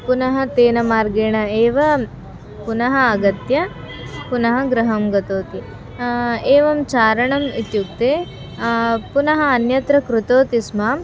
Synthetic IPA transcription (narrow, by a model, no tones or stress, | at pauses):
punɐɦɐt̪eːnɐmaːɾɡeːɳɐeːʋɐ | punɐɦɐːɡɐt̪jɐ | punɐɦɐɡɾɐɦɐmɡɐt̪oːt̪i | eːʋɐmt͡ʃaːɾɐɳɐmit̪juk̚t̪eː | punɐɦɐːnjɐt̪ɾɐkɾut̪oːt̪ismaːm